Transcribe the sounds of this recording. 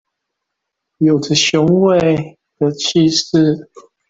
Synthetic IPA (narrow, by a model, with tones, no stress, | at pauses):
jo˨˩ʊdə˨ɕjʊ˧˥ŋwe˥˨ɪ | d̪̥ə˨t͡ɕʰi˥˧ʂ̩˥˨